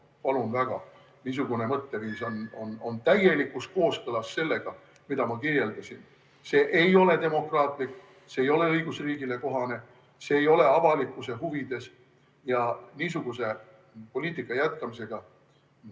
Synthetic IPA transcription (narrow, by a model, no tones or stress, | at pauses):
pɑlunvæɡ̥ɑ̰ | niːs̬uɡ̥une̞mɤt̪ːe̞viːso̞no̞no̞nt̪æje̞likːˑusko̞ːskɤlɑsːe̞lːe̞ɡ̥ɑ | mid̪ɑmɑkirje̞ld̪ɑsin | se̞ːʔejo̞le̞t̪e̞mo̞krɑːt̪ˑlikː | se̞ːjo̞le̞ɤjɡ̥usriːɡ̥ile̞ko̞ɦɑne̞ | se̞ːjo̞le̞ɑvɑlikːˑuse̞ɦuvid̪̥e̞s | jɑniːs̬uɡ̥use̞ | po̞lʲiːt̪ˑikːˑɑjæt̪̚kɑmise̞ɡ̥ɑ